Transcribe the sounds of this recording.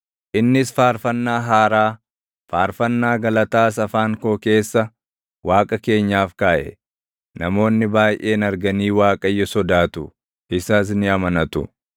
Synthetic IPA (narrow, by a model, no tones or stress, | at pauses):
ʔɪnːɪsfaːɾfɐnːaːɦaːɾaː | faːɾfɐnːaːɡɐlɐt̪aːs̬ɐfaːŋkoːke̞ːsːɐ | waːkʼɐke̞ːɲːaːfkaːʔɛ̰ | nɐmo̞ːnːɪbaːjʔe̞ːnɐɾɡɐniːwaːkʼɐjːɔsɔd̪aːt̪ʊ | ɪsɐs̬nɪɐmɐnɐt̪ʊ̰